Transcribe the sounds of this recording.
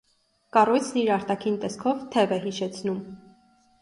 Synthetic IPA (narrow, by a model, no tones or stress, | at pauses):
kɑrujt͡sʰniɾɑɾt̪ɑkʰint̪ɛskʰɔvt̪ʰɛvɛɦiʃɛt͡sʰnum